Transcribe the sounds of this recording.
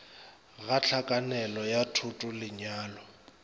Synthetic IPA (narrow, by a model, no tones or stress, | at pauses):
ɣat͡ɬʰakʼanɛlɔjatʰʊtʼʊlɪɲaːlɔ